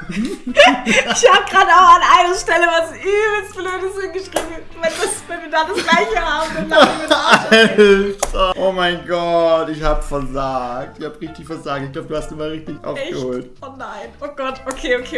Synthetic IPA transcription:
ɪçhaːbəɡʁaːdəaʊxanʔalnəʃtɛləvasʔyːbəl̩sb̥løːtɪshɪnɡəʃʁ̥iːb | vandasvɛnvidaːd̥asɡ̥laɪçəhaːbdana | taʔoːmaɪnɡɔtɪçhaːbəfɛɐzaːk̚tɪçhaːbəʁɪçtɪçfɛɐzaːk̚tɪçkɡlaʊbəd̥uhastumaːlʁɪçtɪçʔa̰ʊfɛɡəhoːltonaɪnʔoːɡ̥ɔtokʰeːokʰeː

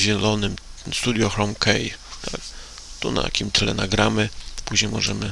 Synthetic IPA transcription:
ʑɛlɔnɘmst̪ud̪ʲjɔxɾɔmkʰɛjt̪ʰak | t̪una̰t̪a̰kʲimt̪lɛnaɡɾamɘpuʑɲejmɔʐɛmɘ

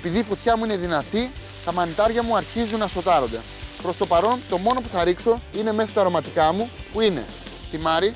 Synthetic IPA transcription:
epiðiːfot̪çɐmuine̞ðinɐt̪i | t̪ɐmɐnit̪ɐɾʝɐmuɐɾçizunːɐso̞t̪ɐɾo̞nd̪e̞ | pɾo̞st̪o̞pɐɾo̞nt̪o̞mo̞no̞puθɐɾikso̞ine̞me̞sɐst̪ɐɾo̞mɐt̪ikɐmupuinḛ | θimɐɾi

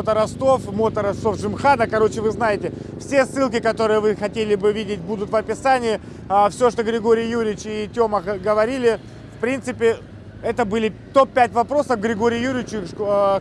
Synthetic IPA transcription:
ot̪əɾɐst̪o̞fmo̞t̪əɾɐst̪o̞fʐɨmxad̪əkɐɾo̞t͡ɕɪvɨznajɪtʲɪ | fsʲesːɨlˠkʲɪkɐt̪o̞ɾɨjəvɨxɐtʲelʲɪbɨvʲidʲɪt̚ʲbud̪ʊt̪vɐpʲɪsanʲɪɪ | fsʲoʂt̪o̞ɡɾʲɪɡo̞ɾʲɪjːuɾʲɪɪt͡ɕɪtʲo̞məxɡəvɐɾʲilʲɪ | fpɾʲint̪sɨpʲɪ | ɛt̪əbɨlʲɪt̪o̞pːʲætʲvɐpɾo̞səfɡɾʲɪɡo̞ɾʲɪjjuɾʲɪɪt͡ɕɪ

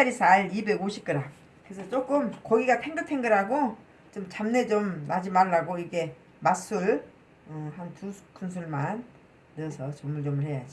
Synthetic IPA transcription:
aɾisʰaɭibe̞ɡoɕʰip̚k͈ɯɾaŋ | kɯɯsʰʌt͡ɕ͈ok͈ɯmkʌɡiɡapʰe̞ŋdɯtʰenɡɯɾaɡo | t͡ɕomt͡ɕamne̞t͡ɕomnad͡ʑimaɭːaɡoiɡe̞ | mas͈uɭ | ɯhanpu̥kʰunsʰuɭmanː | ɯsʰʌt͡ɕʌmuɭt͡ɕomɯɭhe̞jad͡ʑ

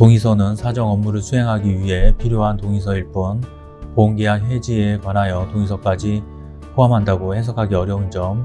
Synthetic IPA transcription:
toŋisʰʌnɯnsʰad͡ʑʌŋʌmːuɾɯɭsʰuɦe̞ŋɦaɡiɥiɦe̞pʰiɾjoɦantoŋisʰʌiɭp͈on | koŋɡeɦanɸwe̞d͡ʑiekwanajʌtoŋisʰʌk͈ad͡ʑi | pʰoɦamɦandaɡohe̞s̬ʰʌkʰaɡiʌɾjʌund͡ʑʌm

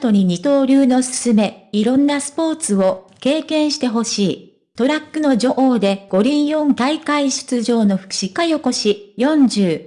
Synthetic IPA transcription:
at̪o̞ɲ̟iɲ̟it̪o̞ːɾʲɨːno̞sɨ̥sɨme̞iɾõ̞nːasɨ̥po̞ːt͡sɨo̞ke̞ːkẽ̞ɰ̃ɕi̥t̪e̞ɦo̞ɕiː | t̪o̞ɾakːɯ̟no̞d͡ʑo̞ʔo̞ːd̪e̞ɡ̥o̞ɾʲĩɰ̃jõ̞nt̪aikaiɕɨ̥t͡sɨʑo̞ːno̞ɸɯ̟̥kɯ̥ɕikajoko̞ɕijõ̞ɲd͡ʑɨː

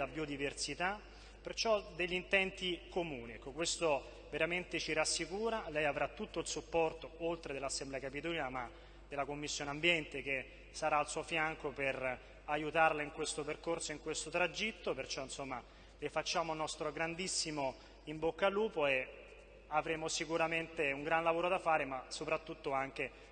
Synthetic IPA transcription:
labiod̪iversit̪a | pert͡ʃɔd̪eʎːint̪ɛnt̪ikomuːniɛkːokwest̪o | veɾament̪et͡ʃiɾasːikuːɾalɛjavɾat̪ːut̪ːoilsupːɔrt̪oolt̪ɾed̪elːasːemblɛakapit̪oliːnama | d̪elakomːisːjoːneambjɛnt̪eke | saɾaːlsuːofjaŋkoper | ajut̪arlaiŋkwest̪operkorsoiŋkwest̪ot̪ɾad͡ʒit̪ːopert͡ʃɔinsomːa | lefat͡ʃːaːmonːɔst̪ɾoɡɾand̪isːimo | imbokːaluːpoe | avɾeːmosikuɾament̪euŋɡɾanlavoːɾod̪afaːɾemasopɾat̪ːut̪ːoaŋk̟e

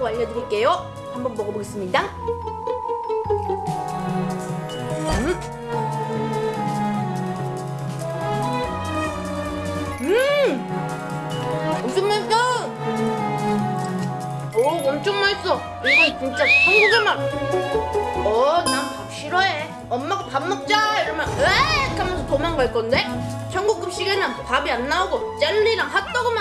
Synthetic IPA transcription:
oaʎːʌdɯɾik͈e̞jo | hambʌnbʌɡʌboɡes͈ɯmɲida | ɯ | omt͡ɕʰoŋmaɭs͈a | ʌʌmt͡ɕʰʌŋmaɭs͈ʌ | iɡʌnt͡ɕint͡ɕ͈at͡ɕʰʌŋɡuɡeman | mʌnaŋ | ɕʰiɾʌe | ʌmːaɡapamːʌk̚t͡ɕ͈aiɾʌmjʌnwekʰamtomanɡaɭk͈ʌnde | t͡ɕʰʌŋɡuk͈ɯp̚ɕ͈iɡenɯnpabianːauɡot͡ɕ͈enːiɾaŋhak̚t͈ʌɡoma

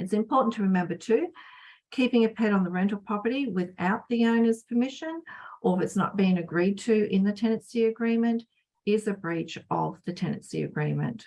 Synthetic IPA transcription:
ɨtsɨ̃mpʰɔɹʔn̩tʰɨɹɨmɛ̃mbə˞tʰʉkʰipɪ̃ŋɨpʰɛɾn̩ðəɹɛ̃ntˡl̩ˠpʰɹ̥ɑpəɾiwɪða̰ʊt̪̚ðiõʊ̃nəz̥pʰəmɪʃɨ̃nʔəɪfɨtsnə̰t̚b̥iɪ̃ŋɨɡɹid̚tʰɨʔɪ̃nðɨtʰɛ̃ñɨ̃nsiɨɡɹĩmɨ̃nt | ɪzɨbɹit͡ʃʌ̰vðɨtʰɛnɨ̰̃nsḭɨ̰ɡɹĩmɨ̰̃nt

